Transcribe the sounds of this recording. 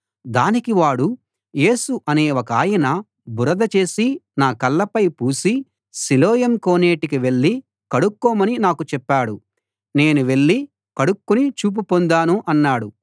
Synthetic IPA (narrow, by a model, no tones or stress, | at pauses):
d̪aːnikiʋaːɽu | je̞ːsuʔɐne̞ːʋokaːjɐnɐ | buɾɐd̪ɐt͡ʃe̞ːsinaːkɐlːɐpɐjpuːsi | silɔːjɐmkoːne̞ːʈikiʋe̞ɭːi | kɐɽukːɔːmɐninaːkut͡ʃɛpːaːɽu | ne̞ːnuʋe̞ɭːi | kɐɽukːunit͡ʃuːp̬upond̪aːnuʔɐnːaːɽu